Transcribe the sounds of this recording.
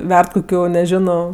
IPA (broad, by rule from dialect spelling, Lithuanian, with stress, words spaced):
ˈʋʲɛrt koːˈkʲuː nʲɛˈʒʲɪnoː